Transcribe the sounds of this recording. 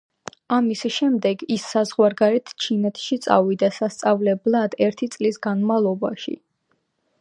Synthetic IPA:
amisʃɛmd̪ɛɡisːazʁwaɾɡaɾɛt̪ʰt͡ʃʰinɛt̪ʰʃit̪sʼa̰vid̪asast̪sʼavlɛblˠad̪ɛɾt̪ʰit̪sʼlisɡanmavlˠɔba̰ʃḭ

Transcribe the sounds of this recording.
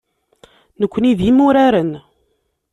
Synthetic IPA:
nəkʷːəniðjimʊɾaɾən

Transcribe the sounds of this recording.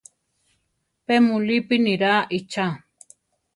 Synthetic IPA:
pemulipiniɾaʔit͡ʃa

